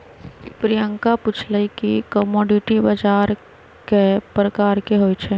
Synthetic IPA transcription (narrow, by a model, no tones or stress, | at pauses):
pɾijəŋkaput͡ʃʰləikikəmɔːɖiʈibəd͡ʒaːɾ | kepɾəkaːɾkeɦojt͡ʃʰɛ